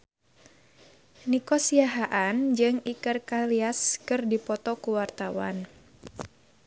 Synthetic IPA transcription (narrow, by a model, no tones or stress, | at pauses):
nikɔsiaɦaʔand͡ʒɨŋikɨrkaliaskɨrdipɔt̪ɔkuwart̪awa̰n